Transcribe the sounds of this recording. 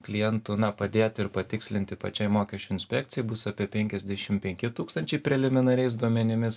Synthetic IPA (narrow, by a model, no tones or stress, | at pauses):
klʲɪjɛnt̪ʊnɐpɐd̪ʲeːt̪ʲɪɾpɐt̪ʲɪksʲlʲɪnt̪ʲɪpɐ̰t͡ʃʲɛɪmoːkʲɛʃʲt͡ʃʲʊɪnʲsʲpʲɛk̚t̪sʲɪjɛɪbʊsɐːpʲiɛpʲɛŋʲkʲɛzʲd̪ʲæʃʲɪmpʲɛŋʲkʲɪt̪uːkst̪ɐnʲt͡ʃʲɛɪpʲɾʲɛlʲɪmʲɪnɐɾʲɛɪsd̪uɔmʲɛnʲɪmʲɪs